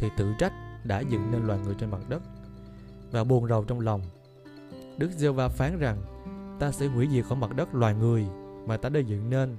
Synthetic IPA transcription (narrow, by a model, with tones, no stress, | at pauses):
t̪ʰi˨˩t̪ɨ̰˧˨t͡ɕa˦˥jk̟̚ɗa̰ː˧˥zɨ̰˧˨ŋne˧nlwaː˨˩jŋɨ˨˩əjt͡ɕe˧nma˨˩t̚ɗə˦˥t̚ | vaː˨˩ɓu˨˩ənzə˨˩wt͡ɕɔ˧wŋ͡mla˨˩wŋ͡m | ɗɨ˦˥k̚ze˧wvaː˧faː˨˦nza˨˩ŋ | t̪aː˧sɛ̰˧˥ɦwḭ˧˩˥zi˨˩k̚ʔɔː˧˦ma˨˩t̚ɗə˦˥t̚lwaː˨˩jŋɨ˨˩əjmaː˨˩t̪aː˧ɗə˧jzɨ̰˧˨ŋne˧n